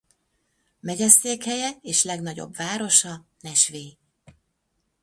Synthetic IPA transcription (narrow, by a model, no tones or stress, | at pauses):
mɛɟɛseːkhɛjɛeːʃlɛɡn̪ɒɟo̞̰bvaːɾo̞ʃɒnɛʃʋeː